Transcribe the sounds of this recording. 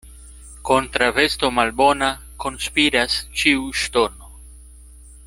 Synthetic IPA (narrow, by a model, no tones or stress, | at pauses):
ko̞ntɾave̞sto̞malbo̞na | ko̞nspiɾast͡ʃiuʃto̞no̞